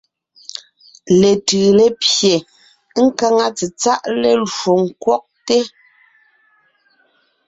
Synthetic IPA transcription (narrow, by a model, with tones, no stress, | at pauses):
le˨tɯː˨le˦pje˨˦ | ŋ̩˦ka˦ŋa˦t͡si˨t͡sa˦ʔle˦lo˨ŋ̩˨kwɔ˦ʔ̚te˦